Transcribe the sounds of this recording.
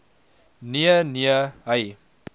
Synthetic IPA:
niəniəɦəj

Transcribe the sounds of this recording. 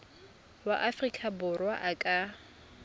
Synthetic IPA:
waʔafrikʼabʊrwaʔakʼa

